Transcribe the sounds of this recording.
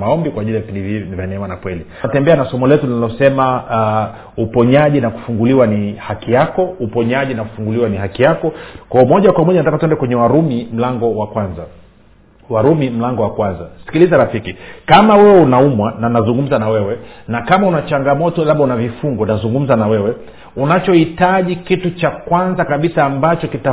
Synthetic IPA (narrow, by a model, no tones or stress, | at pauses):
maɔmbikwaʄiliavipindivivjanɛmanakwɛli | tɛmbɛanasɔmɔlɛtulinalɔsɛma | upɔɲaʄinaku̥fuŋɡuliwanihakijakɔupɔɲaʄinaku̥fuŋɡuliwaniɦakijakɔkwaɔmɔʄakwamɔʄanatakatuɛndɛkwɛɲɛwaɾumim̩laŋɡɔwakwanza | waɾumim̩laŋɡɔwakwanzasi̥kilizaɾafikikamawɛwɛunaumwananazuŋɡum̩zanawɛwɛnakamaunat͡ʃaŋɡamɔtɔlaɓaunavifuŋɡɔnazuŋɡum̩zanawɛwɛ | unat͡ʃɔhitaʄikitut͡ʃakwanzakaɓisaːmbat͡ʃɔkita